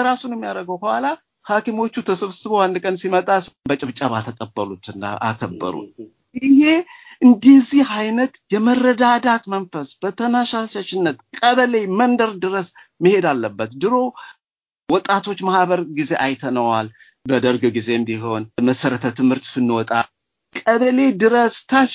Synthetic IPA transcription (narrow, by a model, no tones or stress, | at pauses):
əɾasunjɛmːijaɾəɡəwkəhala | hakimo̞t͡ʃːut̪ʰəsəβsɨβowand̪kʼənsimət̪ʼasbət͡ʃʼɪβt͡ʃʼaβat̪ʰəkʼəbːəlut̪ɨnːa̰ʔa̰kʰəbːə̰ɾṵt̪̚ | ʔɪhe̞ʔɨnd̪izihajnət̪jɛmərːəd̪ad̪at̪mənfəsb̥ət̪ʰənaʃasat͡ʃːɪnːət̪kʼəβəle̞mənd̪əɾd̪ɨɾəs | məhe̞d̪alːəbːət̪d̪ɨɾo̞ | wɔt̪ʼat̪ʰo̞t͡ʃːmahbəɾɡize̞ʔajt̪ʰənəwal | bəd̪əɾɡɡize̞ɨmbiɦo̞nməsəɾət̪ʰət̪ʰɨmhɨɾt̪sɨnːwɔt̪ʼa | kʼəβəle̞d̪ɨɾəst̪ʰaʃ